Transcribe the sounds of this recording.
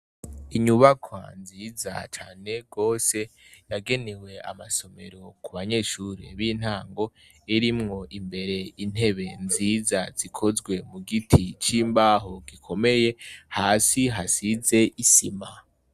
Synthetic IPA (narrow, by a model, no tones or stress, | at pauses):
iɲuβakʰwa̰nziːza̰t͡ʃaːne̞ɡo̞ːse̞jaɡe̞newe̞a̰maso̞me̞ɾo̞kuβaɲe̞ːʃuɾḛβiːn̥haːŋɡo̞ | eɾimŋo̞ʔimbe̞ɾe̞in̥he̞βe̞nziːzaz̥ikʰo̞zɡwe̞muɡitʰit͡ʃiːmbaːɦoɡikʰo̞me̞je̞haːsiɦasize̞ʔisima